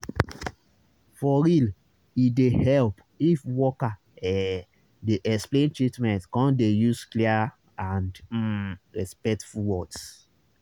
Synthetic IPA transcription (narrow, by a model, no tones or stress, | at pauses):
fɔɾil | idehɛlp | ifwɔka | ɛ | deʔɛksplẽntɹitmɛ̃ntkɔ̃ndejusklia | ãnd̩ | ɹɛspɛk̚tfuwɔds